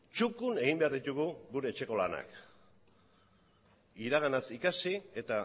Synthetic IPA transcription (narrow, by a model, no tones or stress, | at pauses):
t͡ʃukune̞ɣimbe̞aɾðit̪uɣuɣuɾe̞ːt͡ʃe̞ko̞lana̰k | iɾaɣ̞anasikasie̞t̪a